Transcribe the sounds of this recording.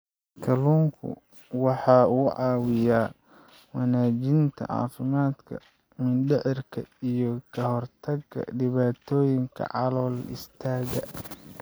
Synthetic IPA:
kʰɐluːŋkʰʊ̰ | wɑħɑːuːʕɑːwɪjaː | wɑnaːt͡ʃɪnt̪ʰɐ̰ʕɑ̰ːfɪmaːd̪kʰɐ̰ | mɪnɖɪʕɪrkʰɐijɔkʰɐɦɔrt̪ʰɐɡɐ̰ɖɪβaːt̪ʰɔːjɪŋkʰɐ̰ʕɑlɔːlɪ̰st̪ʰaːɣɐ

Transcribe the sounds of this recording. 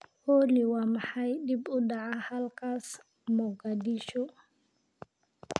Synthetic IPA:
holiwamhajɗibɔɗaahalkas | mɔɡadiʃɔ

